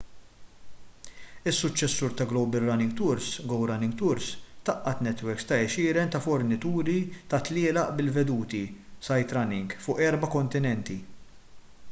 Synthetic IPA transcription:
ɪsːʊt͡ʃːɛsːuːɾt̪ɐɡlɔwbɛlːɐnɪŋɡt̪ʊɾsɡɔwɾɐnɪŋɡt̪ʊɾst̪ɐʔːɐt̪nɛt̪wɛɾkst̪ɐɛʃɪːɾɛnt̪ɐfɔɾnɪt̪uːɾit̪ɐt̪lɪːlɐʔbɪlvɛd̪uːt̪isɐjt̪ɾɐnɪŋɡfʊːʔɛɾbɐkɔnt̪ɪnɛnt̪i

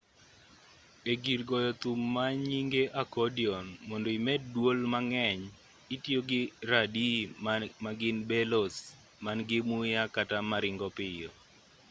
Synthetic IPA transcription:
eɡiɾɡɔjɔt̪umːaɲiŋɡeʔakɔdiɔnmɔndoimɛddwolmaŋɛɲ | itjoɡɪɾadimaɡɪnbɛlos | manɡɪmʊjakatamaɾɪŋɡɔpɪjɔ

